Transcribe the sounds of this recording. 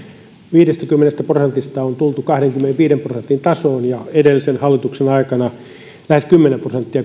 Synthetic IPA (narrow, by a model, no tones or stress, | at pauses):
ʋiːdest̪ækymːenest̪æprosent̪ist̪ɑont̪ult̪ukɑhɾeŋkymːeneʋiːɾemprosent̪int̪ɑsoːnjɑedelːisenhɑlːit̪uksenɑikɑnɑ | læheskymːenemprosent̪ːiɑ